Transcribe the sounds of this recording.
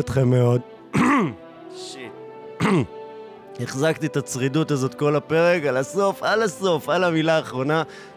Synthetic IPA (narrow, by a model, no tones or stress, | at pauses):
ot̪χemːeod | ʃit̚ | e̞χzakt̪iet̪at͡sʁidutazo̞t̪ko̞lape̞ʁe̞kalaso̞falaso̞falamilaːχʁo̞na